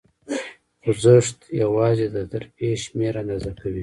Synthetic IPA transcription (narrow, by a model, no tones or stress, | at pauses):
xʊzəʂt̪jawɑːzed̪əd̪əɾpeʃmeɾanazakawi